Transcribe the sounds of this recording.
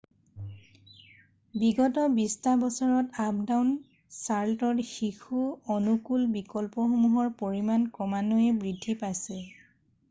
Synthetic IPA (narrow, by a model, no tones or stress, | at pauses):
biɡɔtɔbistabɔsɔɹɔtap̚dawn | saɹtɔtxixuɔnukulbikɔlpɔxomuɦɔɹpoɹimankɔmanoɛbɹidʱːipajsɛ